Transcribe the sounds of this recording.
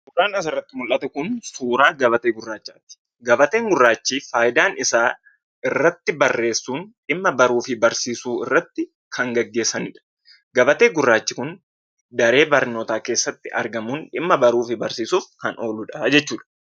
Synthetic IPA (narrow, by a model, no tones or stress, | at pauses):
bʊɾaːnɐs̬ɐrːɐt̪ːɪmʊlʔɐt̪ɛkʊnsuːɾaːɡɐbɐt̪eːɡʊrːaːt͡ʃːaːt̪ɪ̥ | ɡɐbɐt̪e̞ːŋɡʊrːaːt͡ʃːiːfaːjd̪aːnɪsaː | ɪrːɐt̪ːɪbɐrːe̞ːsːuːnᶑɪmːɐbɐɾuːfɪbɐɾsiːsuːɪ̰rːɐt̪ːɪ | kʰɐŋɡɐɡːe̞ːsɐnɪᶑɐ̥ | ɡɐbɐt̪e̞ːɡʊrːaːt͡ʃːɪkʊn | d̪ɐɾe̞ːbɐɾnoːt̪aːke̞ːsːɐt̪ːɪʔɐ̰ɾɡɐmʊnᶑɪmːɐbɐɾuːfɪbɐɾsiːsuːfkɐnoːlʊᶑɐd͡ʒɛt͡ʃːuːᶑɐ̥